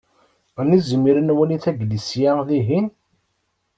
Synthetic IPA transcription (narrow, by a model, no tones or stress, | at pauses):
nizəmiɾənwæniθæɡlisjæðiɦin